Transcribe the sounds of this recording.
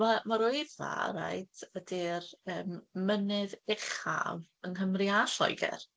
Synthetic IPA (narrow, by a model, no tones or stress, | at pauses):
mamaɾoɨða̰ra̰jtʰədirəːmːənɨðɛχa̰vənhəmriaɬɔ̰jɡɛ̰r